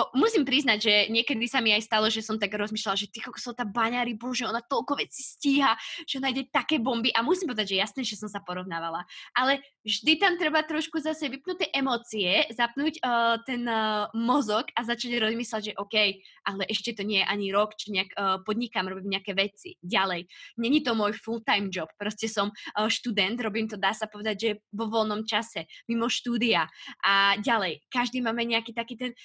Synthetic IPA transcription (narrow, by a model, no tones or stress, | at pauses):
musimpɾiznaɟʒɛɲɪɛkɛd̪isamiajst̪alˠɔʒɛsɔmt̪aɡɾɔzmiːʃlalaʒɛt̪ikɔlkɔ̥sɔʊt̪abaɲaɾibɔʒɛɔnat̪ɔlkɔʋɛt͡sisciːɦaʒ̥ɛɔnajɟɛt̪akɛːbɔmbiʔamusimpɔʋɛd̪aɟʒɛjasnɛːʒɛsɔmsapɔɾɔʋnaːʋalaʔalɛ | vʒd̪it̪amt̪ɾɛbat̪ɾɔʃkuzasɛʋipnut̪ɛʔɛmɔːt͡siɛzapnuːcːt̪ɛnmɔzɔkazat͡ʃaɟɾɔzmiːslaɟʒɛʔɔkɛjʔalɛʔɛʃcɛt̪ɔɲɪɛjɛʔaɲiɾɔkt͡ʃiɲɛakːpɔd̪ɲikamɾɔbiːmɲɛakɛʋɛt͡sḭɟalɛjɲɛɲit̪ɔmʊɔjfult̪ajmd͡ʒɔppːɾɔscɛsɔmʃt̪ud̪ɛnt̪ɾɔbiːmt̪ɔd̪aːsapɔʋɛd̪aɟʒɛʋɔʋɔlnɔmt͡ʃasɛmimɔʃt̪uːd̪iaʔaɟalɛjkaʒd̪iːmaːmɛɲɛakiːt̪akiːt̪ɛn